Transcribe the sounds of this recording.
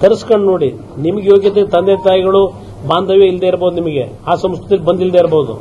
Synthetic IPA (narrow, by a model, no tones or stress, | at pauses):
t̪ɐɾɐskɐɳɖno̞ːɽi | nimɐɡejo̞ːɡjɐt̪̬et̪ɐnd̪et̪aːjiɡɐɭu | baːnd̪ɐʋjeild̪eiɾboːd̪unimɐɡe̞̰ | aːsɐmskɾt̪iɐlbɐnd̪ild̪eiɾɐboːud̪ṵ